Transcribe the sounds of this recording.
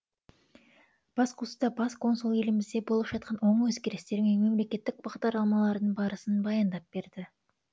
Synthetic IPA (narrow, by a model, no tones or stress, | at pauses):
b̥ɑsqʰusd̪ɑbɑskʰo̞nsulˠe̞lɪmɪzd̪e̞bo̞lˠəpʒ̥ɑt̪̚qʰɑnwo̞ɴwɵzɡʲkʲe̞ɾɪst̪e̞ɾɪmenme̞mle̞kʲe̞t̪ːɪk̚bɑʁd̪ɑɾlˠɑmɑlˠɑɾd̪əɴbɑɾəsənbɑjɑnd̪ɑp̚b̥e̞ɾd̪ɪ